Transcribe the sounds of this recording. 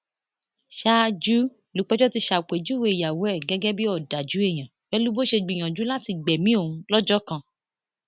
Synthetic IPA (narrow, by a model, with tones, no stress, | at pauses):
ʃa˦d͡ʒu˦ | lu˨˦k͡pɛ˦d͡ʒɔ˦ti˧ʃa˨k͡pe˨d͡ʒu˦we˦˨ja˨wɛ˦˨ɡɛ˨˦ɡɛ˦bi˦ɔ˦˨da˨d͡ʒu˨˦e˦˨j̃ã˨fɛ˦lu˦bo˦ʃe˧ɡ͡bi˨j̃ã˨d͡ʒu˨˦la˦ti˧ɡ͡bɛ˨mĩ˦o˦˨ũ˧lɔ˦d͡ʒɔ˦kã˧